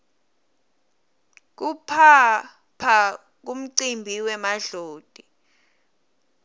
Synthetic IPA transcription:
k̬upʰa | pʰa | k̬um̩ǀimbʱiwɛmaɮoːd̥ʱʼi

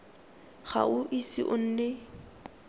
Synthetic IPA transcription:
χa̰ʊʔisḭʔʊn̩ːnɛ

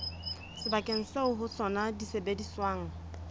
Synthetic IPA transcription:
sɪbakʼeŋ̩seʊɦʊt͡sʰɔnadisebediswaŋ̩

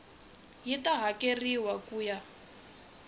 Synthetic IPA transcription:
jitaɦakeriwakuːja

